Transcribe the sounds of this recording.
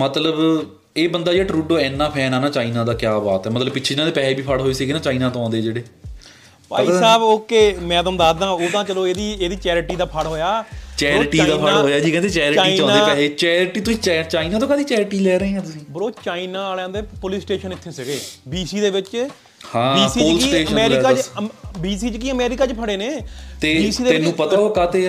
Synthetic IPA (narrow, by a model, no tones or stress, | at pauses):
mət̪ləb | eːbənd̪aːd͡ʒeːaːʈɾuːɖoːɛːnːaːpʰɛːnaːnaːt͡ʃaːinãːd̪aːkjaːbaːt̪ɛːmət̪ləbpɪt͡ʃʰeːd͡ʒɪnaːd̪eːpɛːeːbiːpʰəɽɦoːiːsiːɡeːnãːt͡ʃaːiːnãːt̪õːɔ̃ːnd̪eːd͡ʒeːɽeː | pa̰ːisaːboːkemɛ̃ːd̪əmd̪aːd̪ãːoːt̪ãːt͡ʃəloːeːd̪iːeːd̪iːt͡ʃɛːɾʈiːd̪aːpʰəɽɦoːjaːt͡ʃɛːɾʈiːd̪aːpʰnaːɦoːjaːd͡ʒiːkɛ̃nd̪eːt͡ʃɛːɾt͡ʃaiːiãːnad̪eːpɛleːt͡ʃɛːɾʈiːt̪ʊsĩːt͡ʃːt͡ʃaːinaːt̪õːkaːd̪iːt͡ʃɛːɾɪʈiːlɛːɾəẽːɦɛ̃ːt̪ʊsĩːbəɾoːt͡ʃaːinaːaːlãːnd̪eːpʊlɪsʈeːʃənɪt̪ʰːeːsɪɡeːbiːsiːd̪eːbɪt͡ʃ | hãːbiːsioːlksiːeːʃəəmɛːɾɪkaːbiːsiːt͡ʃkiːəmɛːɾɪkaːt͡ʃpʰəɽeːneːt̪eːbiːsiːd̪eenũːpət̪aːoːkaːt̪eː